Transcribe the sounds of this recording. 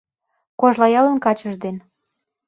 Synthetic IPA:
koʒlɑjɑlənkɑt͡ɕəʒd̪en

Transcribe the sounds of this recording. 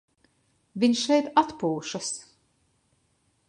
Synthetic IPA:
vʲiɲʃɛjt̪at̪puːʃas

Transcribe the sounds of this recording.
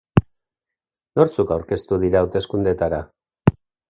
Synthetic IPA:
no̞ɾt͡sukawɾke̞st̪uðiɾaːwt̪e̞skund̪e̞t̪aɾa

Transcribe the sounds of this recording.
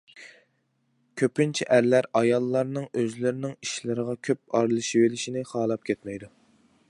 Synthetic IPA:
kʲʰøpynt͡ʃʰiʔæɾlæɾɑjɑlˠːɑɾnɨŋøzlɪɾɪnɪŋiʃlɪɾəʁɑkʲʰøp̚ɑɾlˠɨʃivelɪʃinɪχɑːlˠɑp̚kʲʰɛt̪mɛjd̪u

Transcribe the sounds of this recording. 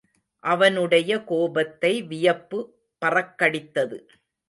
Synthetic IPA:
ʔɐʋɐnɯɽɐjɐkoːbɐt̪ːɐɪʋɪjɐpːɯ | pɐrɐkːɐɽɪt̪ːɐðɯ̰

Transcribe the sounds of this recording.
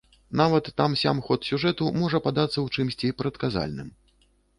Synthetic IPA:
navɐt̪ːamsʲa̰mxɔt̪sʲuʐɛt̪umɔʐɐpad̪at̪sːɐwt͡ʂɨmsʲt͡sʲipɾɐt̪kaza̰lʲnɨ̰m

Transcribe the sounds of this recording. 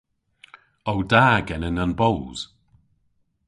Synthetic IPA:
owdaːɡɛnənanbowz̥

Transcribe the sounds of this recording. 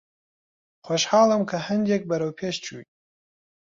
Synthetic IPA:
xoʃhɑːlˠɨmkʰɐhɨnd̪ek̚bɐɾɐwpʰeːʃt͡ʃʰṵj

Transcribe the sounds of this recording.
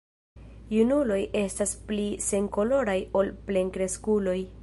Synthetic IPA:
junulo̞jʔe̞stasplise̞ŋko̞lo̞ɾajo̞lple̞nkɾe̞skulo̞j

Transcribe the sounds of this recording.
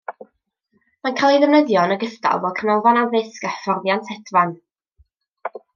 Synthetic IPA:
mankʰalˠiðəvnəðjɔnəɡəsda̰lˠvɔkʰənɔlˠvanawðɪskafɔrðjantʰɛdvan

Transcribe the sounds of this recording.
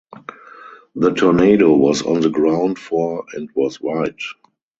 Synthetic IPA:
ðətʰɔneɪɾowɔsɔ̰̃nðəɡɹãʊ̃ntfɔɛ̃ntwɔswaɪt

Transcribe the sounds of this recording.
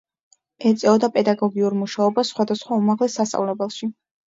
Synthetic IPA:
ɛt̪sʼɛɔd̪apʼɛd̪aɡɔɡiuɾmuʃaɔbassːχwad̪asχwaumaʁlɛsːast̪ʼa̰vlɛbɛlˠʃi

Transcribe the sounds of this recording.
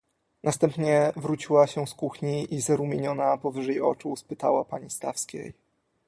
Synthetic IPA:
nast̪ɛmpɲɛvɾut͡ɕiwaɕɛskuxɲiizaɾumʲjeɲɔnapɔvɘʐɛjɔ̰t͡ʂuspɘt̪a̰wapaɲist̪a̰fskʲḛj

